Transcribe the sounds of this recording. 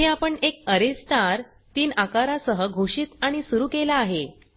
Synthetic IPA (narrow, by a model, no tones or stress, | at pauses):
eapəɳek̚əɾesʈaɾ | t̪iːnakaɾasəɦəɡʱoʂiːt̪aɽ̃isuɾuːkelaːɦe